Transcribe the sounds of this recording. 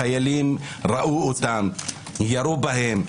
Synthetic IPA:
ajalimɾaʔuut̪am | jaɾubaɦem

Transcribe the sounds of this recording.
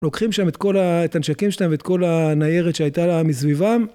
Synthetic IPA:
lo̞kχimʃame̞t̪ko̞laet̪anʃakimʃelaevet̪ko̞lanaje̞ʁet̪ʃeajt̪alamis̬vivam

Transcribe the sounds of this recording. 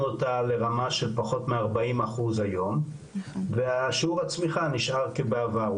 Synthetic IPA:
otale̞ʁamaʃe̞lpaχo̞tmeaʁbaimaχuzhajo̞m | veaʃiuʁhat͡smiχaniʃaʁkebeava

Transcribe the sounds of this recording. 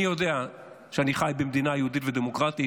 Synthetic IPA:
ijodea | ʃeaniχajbemd̪inajeuditved̪emokʁat̪i

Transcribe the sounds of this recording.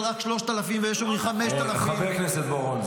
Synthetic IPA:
ʁakʃloʃt̪alafimvejeʃomiχameʃt̪alafiavekneset̪̚boʁon

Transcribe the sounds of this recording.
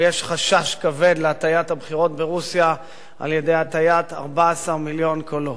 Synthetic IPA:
jeʃχaʃaʃkave̞d̪leatajathabχiʁo̞tbeʁusja | ʔa̰lje̞de̞jat̪ajata̰ʁbaːsaʁmiljo̞nkʰolo

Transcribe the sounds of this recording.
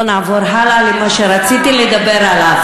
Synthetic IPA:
navɔɾɦalalimaʃɛɾat͡sit̪iled̪abɛɾala

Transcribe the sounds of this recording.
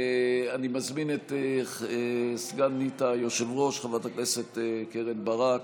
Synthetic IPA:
animazminet̪e | sɡanːitajoʃevʁo̞ʃχavat̪akneset̪keʁenbaʁak

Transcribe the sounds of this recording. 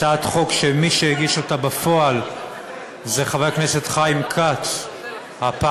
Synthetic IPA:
atχo̞kʃemiʃeeɡiʃotabafo̞al | zeχavajaknese̞tχaimkʰat | hapa

